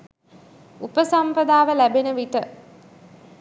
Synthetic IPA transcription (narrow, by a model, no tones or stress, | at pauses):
upəsampəd̪aːʋəlæbenəʋit̪ə